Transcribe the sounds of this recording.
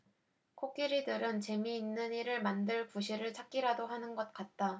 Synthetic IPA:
kʰok͈iɾidɯɾɯnt͡ɕe̞miːnːɯniɾɯɭmandɯɭkuɕʰiɾɯɭt͡ɕʰak̚k͈iɾadoɦanɯnɡʌt̚k͈at̚t͈a

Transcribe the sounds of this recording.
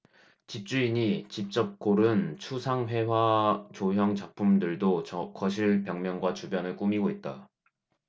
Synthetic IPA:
t͡ɕip̚t͡ɕ͈uiɲit͡ɕip̚t͡ɕ͈ʌp̚k͈oɾɯnt͡ɕʰusʰaŋɸwe̞wat͡ɕoɦjʌŋt͡ɕapʰumdɯɭdoʌkʌɕʰiɭpjʌŋmjʌŋɡwat͡ɕubjʌnɯɭk͈umiɡoit̚t͈a

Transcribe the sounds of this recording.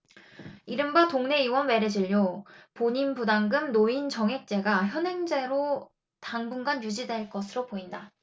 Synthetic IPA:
iɾɯmbatoŋne̞iwʌnwe̞ɾed͡ʑiʎːjopoɲinpudaŋɡɯmnoint͡ɕʌŋɦe̞k̚t͡ɕ͈e̞ɡaçjʌnɦe̞ŋd͡ʑe̞ɾo | taŋbuŋɡanjud͡ʑidwe̞ɭk͈ʌsʰɯɾopoinda

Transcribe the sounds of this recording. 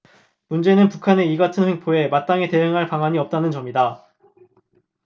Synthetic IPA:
mund͡ʑe̞nɯnpukʰane̞iɡatʰɯnɸweŋpʰoe̞mat̚t͈aŋete̞ɦaŋɦaɭpaŋaɲiʌp̚t͈anɯnt͡ɕʌmida

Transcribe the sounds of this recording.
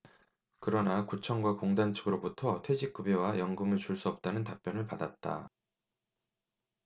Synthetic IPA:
kɯɾʌnakut͡ɕʰʌŋɡwakoŋdant͡ɕʰɯɡɯɾobutʰʌtʰwe̞d͡ʑik̚k͈ubewajʌŋɡɯmɯɭt͡ɕuɭs͈uʌp̚t͈anɯntap̚p͈jʌnɯɭpadat̚t͈a̰

